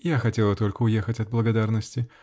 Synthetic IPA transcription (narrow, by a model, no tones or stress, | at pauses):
jaxɐtʲelˠət̪olʲkəʊjɛxətʲɐd̪̚blˠəɡɐd̪arnəsʲtʲɪ